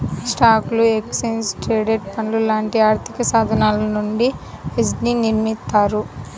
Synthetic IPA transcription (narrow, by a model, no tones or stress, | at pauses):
sʈaːklueksensʈɾeːɖeʈ̚pɐnlulaːɳʈiaːɾt̪ʰikɐsaːd̪ʱɐnaːlɐnuɳɖied͡ʒniniɾmit̪ːaːɾu